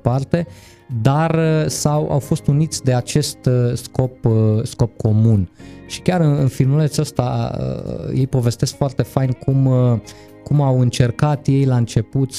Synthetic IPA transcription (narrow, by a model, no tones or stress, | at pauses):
part̪e̞ | d̪arəsawa̰wfo̞st̪unit̪sʲd̪e̞at͡ʃe̞st̪sko̞psko̞p̚kʰo̞munʃi̥kʲaɾɨnɨnfilmulet̪sʲəst̪a̰ə̰je̞jpo̞ve̞st̪e̞skfoart̪e̞fajnkʰum | kumawɨnt͡ʃe̞rkat̪je̞jlaɨnt͡ʃe̞put̪